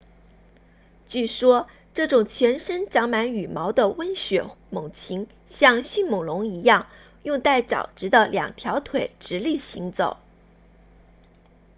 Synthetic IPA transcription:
t͡ɕy˥˩ʂwɔ˥ | ʈ͡ʂɤ˥˩ʈ͡ʂʊ˨˩ŋt͡ɕʰɥɛ˧˥nʂə˥nʈ͡ʂɑ˧˥ŋma˧˥ny˨˩mɑ˧˥ʊd̪ə˧wə˥nɕɥɛ˨˧˩mʊ˨˩ŋt͡ɕʰi˧˥ŋ | ɕjɑ˥˧ŋɕy˥˩nmʊ˨˩ŋlʊ˧˥ŋi˧˥jɑ˥˩ŋ | jʊ˥˧ŋt̪a˥˩ɪʈ͡ʂɑ̰˨˩ʊʈ͡ʂɻ̩˧˥d̪ə˧ljɑ̰˨˩ŋt̪ʰjɑ˧˥ʊt̪ʰwe˨˩ɪʈ͡ʂɻ̩˧˥li˥˩ɕi˧˥ŋt͡so˨˩˦ʊ

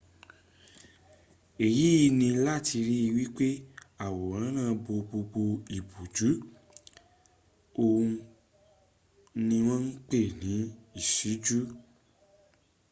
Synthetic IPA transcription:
e˨ji˨˦i˧nĩ˧la˦˨tʰi˧ɾi˦i˧wi˦k͡pe˦a˦˨wo˨ɾã˨˦nã˦˧˨bo˧ɡ͡bo˧ɡ͡bo˧i˨bu˨d͡ʒu˨˦ | o˧ũ˧ | nĩ˧w̃ɔ̃˦n̩˦k͡pe˦˨nĩ˨˦i˦˨ʃi˨˦d͡ʒu˦

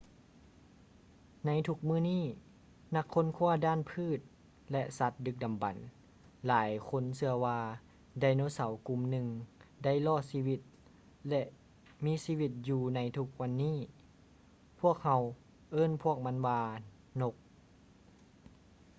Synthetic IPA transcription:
na˧˥jt̪ʰu˧˥k̚mɯː˧˥˨niː˥˩ | na˧˥kʰːo˧˥˨nkʰuː˧˥˩ɐdaː˧˥˨npʰɯː˧˥˩t̪̚ | lɛ˧ʔsa˧˦t̪̚dɯ˧k̚da˨˩mba˨˩n | laː˨˦jkʰo˧˥˨nsɯ˧ɐwaː˧ | da˧˩jno˧˥sa˨˦wku˧mnɯ˧ŋda˥˩jlɔː˧˥˩siː˧˩wi˧˩t̪̚ | lɛ˧ʔ | miː˧˥siː˧˥˨wi˧˩t̪̚juː˧na˧jt̪ʰu˧˦k̚wa˧˥nːiː˥˩˨ | pʰu˥˩ək̚ha˧w | ʔɤː˧˥˨npʰu˧˥˩ək̚ma˧˥nwaː˧ | no˧k̚

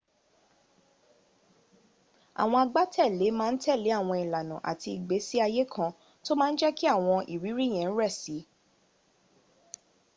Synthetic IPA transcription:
a̰˨w̃ɔ̃˧a˧ɡ͡ba˦tʰɛ˦˨le˨˦mãː˦˧n̩˦tɛ˦˨le˨˦a˦˨w̃ɔ̃˧i˨la˨nã˨ʔa̰˨ti˧i˨ɡ͡be˨˦si˦a˧je˦kʰã˧ | to˦mãː˦n̩˦d͡ʒɛ˦ki˦a˦˨w̃ɔ̃˧ʔḭ˨ɾi˨˦ɾi˦˨j̃ɛ̃˨n̩˦ɾɛ˦˨si˨˦

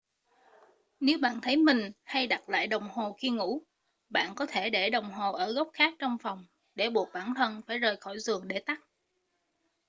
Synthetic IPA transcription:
ne˨˦wɓa̰ː˧˨nt̪ʰə˨˦jmï˨˩ŋ̟ha˧jɗa˨˩t̚la̰ː˧˨jɗə˨˩wŋ͡mho˨˩ki˧əŋṵ˧˥ | ɓa̰ː˧˨nkɔ˨˦t̪ʰe˧˩ɗe˧˩ɗə˨˩wŋ͡mɦo˨˩ʔəː˧˩ɣə˦˥wk͡p̚xaː˦˥k̚t͡ɕɔ˧wŋ͡mfɔ˨˩wŋ͡m | ɗe˧˩ɓu˨˩ək̚ɓaː˧˩nt̪ʰə˧nfaː˧˩jzəː˨˩jxɔ˧˩jzɨ˨˩əŋɗe˧˩t̪a˦˥k̚

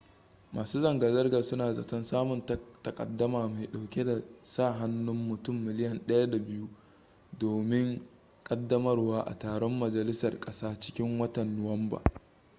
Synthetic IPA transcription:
mʔaː˨suː˦zɐ˨ŋɡa˨zɐ˦rɡa˨sʊ˦naː˨zɐ̰˨tɔ˦nsaː˦mʊ˨nttɐ˨kʼɐ̰˨dːɐ˦maː˨ma˨ɗa˨wkʲe˦da˨saː˦˨ɦa˦nːʊ˦mːʊ˨tʊ˦˨mːɪ˨lɪ˦jɐ˨nɗɐ˦ja˦da˨bɪ˦ju˦ | doː˨mɪ˦ŋ | kʼɐ˦dːɐ˦mɐ˦rwaː˦ʔa̰˨taː˨ɽɔ˦mːɐ˨d͡ʒɐ˨lɪ˦sɐ˨rkʼɐ˦saː˦t͡ʃɪ̥˦kʲɪ˦ŋwɐ˦tɐ˨nːʊ˨wɐ˦mba̰ː˨

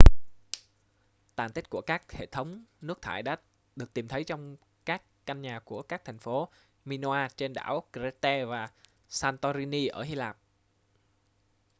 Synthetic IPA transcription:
t̪aː˨˩nt̪i˦˥t̚ku˧˩əkaː˦˥k̚hḛ˧˨t̪ʰə˨˦wŋ͡mnɨ˦˥ək̚t̪ʰa̰ː˧˩jɗa̰ː˧˥ | ɗɨ˨˩ək̚t̪i˨˩mt̪ʰə˨˦jt͡ɕɔ˧wŋ͡m | kaː˦˥kːa˧ŋɲaː˨˩ku˧˩əkaː˦˥k̚t̪ʰɛ˨˩jŋ̟fo˨˦ | mi˧n˧aː˧t͡ɕe˧nɗa̰ː˧˩wkɾe˧˦˥t̪ɛ˧vaː˨˩ | saː˧nt̪ɔ˧zi˧ni˧ʔəː˧˩hi˧laː˨˩p̚

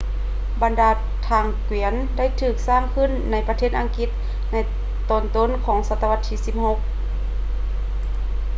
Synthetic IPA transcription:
ba˨ndaː˨˧ | t̪ʰaː˧˩ŋkwi˨˩˦ənda˥˩jt̪ʰɯː˨˩k̚saː˥˨ŋkʰɯ˧˥˨nːa˧˥jpa˧t̪ʰeː˥˩t̪ʔa˧˨ŋki˧˦t̪̚ | na˧˥j | t̪ɔː˧˩nt̪o˧˥˨nkʰɔː˨˦ŋsa˧t̪ːa˧wa˧t̪ʰːiː˧si˧p̚ho˧k̚

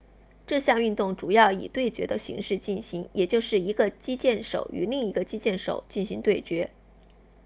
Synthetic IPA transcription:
ʈ͡ʂɤ˥˧ɕjɑ˥˧ŋy˥˧nt̪ʊ˥˩ŋʈ͡ʂu˨˩jɑ˥˩ʊḭ˨˩t̪we˥˩ɪt͡ɕɥɛ˧˥d̪ə˧ɕḭ˧˥ŋʂɻ̩˥˧t͡ɕi˥˩nɕi˧˥ŋjɛ˨˩t͡ɕjo˥˧ʊʂɻ̩˥˩i˧˥ɡə˧t͡ɕi˥t͡ɕjɛ˥˩nʂo̰˨˩ʊʔy̰˧˥li˥˩ŋi˧˥ɡə˧t͡ɕi˥t͡ɕjɛ˥˩nʂo̰˨˩ʊt͡ɕi˥˩nɕi˧˥ŋt̪we˥˩ɪt͡ɕɥɛ˧˥

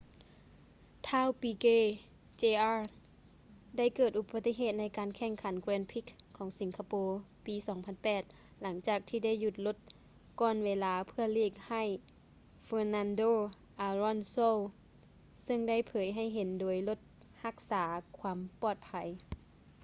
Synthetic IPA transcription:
t̪ʰaː˧˥˩wpiː˧keː˧˥˨ | t͡ɕeː˧ʔaː˧ | da˥˩jkɤː˧˩t̪̚ʔu˧ba˧t̪ːi˧˩ɦeː˧˨˩t̪̚na˧˥jkaː˨nkʰɛ˧˩˨ŋkʰa˩˦nkɾɛː˧npʰi˧˩kʰːɔː˨˦ŋsi˨˦ŋkʰa˧poː˧piː˨˧˦sɔː˩˦ŋpʰa˧˨npɛː˨˩t̪̚ | la˩˦ŋt͡ɕaː˨˩k̚t̪ʰiː˧da˥˩˨jːu˧˩t̪̚lo˧˦t̪̚ | kɔː˧˩nweː˧laː˧˥pʰɯ˧ɐleː˥˩k̚ha˧˩j | feː˧na˧ndoː˧˨ | ʔaː˧lɔ˧˥˨nso˧˨ | sɯ˧˨ŋda˥˩jpʰɤː˨˦jɦa˧˥˩jɦe˨˦ndoː˨˦jlo˧t̪̚ | ha˧k̚saː˩˦kʰwaː˧˥mpɔː˨˩t̪̚pʰa˨˦j

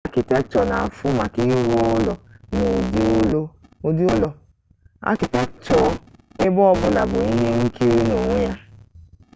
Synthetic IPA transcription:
a˦ki˨tɛ˦t͡ʃɔ˨na˨fu˦ma˨ki˧ji˦ɾo˧˦lɔ˨no˨di˨o˧lo˦o˧di˦o˦lɔ˧ | a̰˦ki˨tɛ˦t͡ʃɔ˨e˦bɔ˦ɔ˦bu˨la̰˨bu˨i˦ɦe˦ŋ̩˦ki˦ɾi˦no˨ŋũ˦ja˦

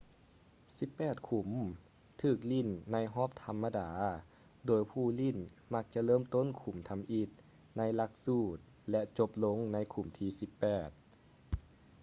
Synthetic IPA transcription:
si˧˦pːɛː˨˩t̪̚kʰu˨˩˦m | t̪ʰɯː˧˩k̚li˧˥˨nːa˧˥jɦɔː˧˥˩p̚t̪ʰa˧mːa˧daː˩˦ | doː˨˧˦jpʰuː˧˩li˧˥˩nma˧k̚t͡ɕa˧lɤː˧˥˨mt̪o˧˥˨nkʰu˨˩˦mt̪ʰa˧mʔi˧˩t̪̚ | na˧˥˨jla˧k̚suː˧˩t̪̚ | lɛ˧ʔt͡ɕo˧p̚lo˧˥˨ŋna˧˥jkʰu˨˩mt̪ʰiː˧si˧˦pːɛː˨˩t̪̚

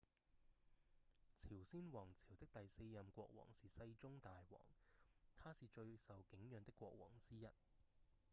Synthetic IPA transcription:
t͡sʰiː˨˩wsiː˥nwɔː˨˩ŋt͡sʰiː˨˩wt̪ɪ˥k̚t̪ɐ˨jse˧jːɐ˨mkʷɔ̰ː˧k̚wɔ̰ː˨˩ŋsiː˨sɐ˧jt͡sʊ˥ŋt̪aː˨jwɔ̰ː˨˩ŋt̪ʰaː˥siː˨t͡ʃɵ˧ɥsɐ˨wkɪ˨˥ŋjœː˨˧ŋt̪ɪ˥kʷːwɔː˧k̚wɔ̰ː˨˩ŋt͡siː˥jɐ˨t̚

